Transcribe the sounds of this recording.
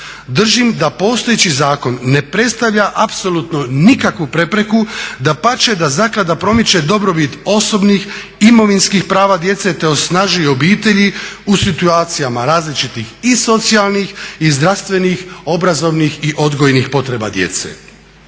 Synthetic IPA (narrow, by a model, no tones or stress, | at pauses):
d̪r̩ʒimd̪apo̞ːst̪o̞jet͡ɕizaːko̞nːe̞pɾe̞t̪st̪aʋʎaʔapso̞luːt̪no̞nikakʋupɾe̞pɾe̞kud̪apat͡ʃed̪azaklad̪apɾo̞mit͡ʃe̞d̪o̞bɾo̞bit̪o̞so̞bnix | imo̞ʋinskixpɾaːʋad̪je̞t̪se̞t̪e̞o̞snaʒujeobiːt̪e̞ʎiusit̪uaːt̪sijamaɾaːzlit͡ʃit̪ixiso̞t̪sialˠnixizd̪ɾast̪ʋe̞nixo̞bɾazo̞ʋnixiʔo̞d̪ɡojnixpo̞t̪ɾe̞ba̰d̪je̞̰t̪sḛ